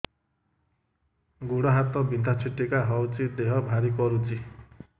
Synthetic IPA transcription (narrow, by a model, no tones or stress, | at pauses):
ɡuɽʌɦat̪ʌbʱind̪ʱat͡sʰiʈːekaɦʌwt͡sid̪eɦʌbʱaɾikʌɾut͡si